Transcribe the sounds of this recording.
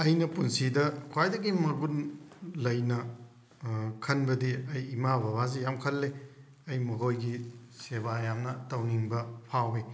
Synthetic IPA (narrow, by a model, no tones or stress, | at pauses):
ɐjnɐpunsidɐkʰwajdɐɡimɐɡunlɐjnɐ | kʰɐnbɐdiɐjːmabʱɐβazijamkʰɐlːe | ɐjmɐkʰojɡisebajamnɐtɐwniŋbɐpʰawi